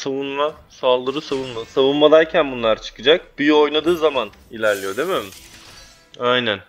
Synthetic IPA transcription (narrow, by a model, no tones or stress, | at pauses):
savunmasalˠd̪ɯɾɯsavunmasavunmad̪aɾcʰænbunlˠaɾt͡ʃʰɯ̥kɯd͡ʒak̚byjo̞jnad̪ɯːzaman | ilʲæɾlʲijo̞d̪ememɪ | ajnæn